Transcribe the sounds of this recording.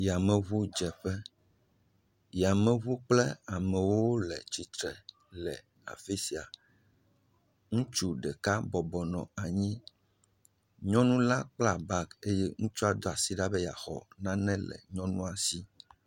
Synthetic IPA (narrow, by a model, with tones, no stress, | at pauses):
ja˨mɛ̃˨βu˦d͡ʒɛ˨ɸɛ˦ | jɛ˨a˨mɛ̃˨βu˦k͡plɛ˦a˨mɛ̃˨wo˦wo˦lɛ̰˨t͡ɕi˨t̪ɾɛ˨ | lɛ˨ | nã̰˨fi˦si˨a˨ | ŋũ˦t͡ʃu˦ɖɛ˨ka˦bɔ˨bɔ˨nɔ̰̃˨a˨ɲĩ˦ | ɲɔ̃˦nũ˦la˦k͡pla˦˨ba˦˨ke˦je˦ŋũ˦t͡ʃɔ˦a˨d̪ɔ˦a˨si˦ɖa˦bɛ˦ja˨xɔ̰˨nã˦nɛ̃˦lɛ̰˨ɲɔ̃˦nũ˦a˨si˦